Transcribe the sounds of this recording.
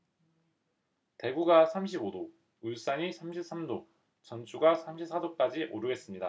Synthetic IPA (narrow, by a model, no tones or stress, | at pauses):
te̞ɡuɡasʰamɕʰibodo | uɭs͈aɲisʰamɕʰip̚s͈amdo | t͡ɕʌnt͡ɕʰuɡasʰamɕʰip̚s͈ʰadok͈ad͡ʑiʔoɾɯɡe̞s͈ɯmɲida